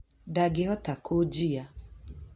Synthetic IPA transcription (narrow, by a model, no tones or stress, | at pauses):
daɡɪɦɔtakʰod͡ʒija